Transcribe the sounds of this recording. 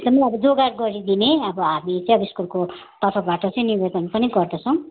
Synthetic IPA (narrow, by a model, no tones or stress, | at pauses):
eɡd̪ʌmʌjʌbʌd͡zoɡarɡʌɾid̪ineʌbʌɦamit͡sʌjbiskurko | t̪ʌɾpʰʌbaʈʌt͡sʌj̃nibed̪ʌnpʌniɡʌrd̪ʌt͡sʰʌ̃